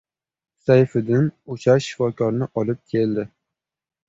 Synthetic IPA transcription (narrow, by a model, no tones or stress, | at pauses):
sajfɪd̪ɪnot͡ʃʰaʃɪ̥fɒkʲʰɒɾnɪʔɒlˠɪp̚kʲʰeld̪ɪ